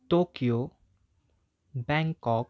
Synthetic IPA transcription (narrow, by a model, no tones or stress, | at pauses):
ʈokio | bɛ̃ŋkɔk̚